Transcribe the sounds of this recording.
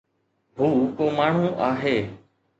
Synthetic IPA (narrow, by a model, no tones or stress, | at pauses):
huːkoːmaːɳ̤ũːʔaːɦeː